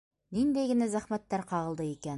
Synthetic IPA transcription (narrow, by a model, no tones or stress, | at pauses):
nind̪æjɡɘ̆næzæχmæt̪ːæɾqɑʁɤlˠd̪ɤikæn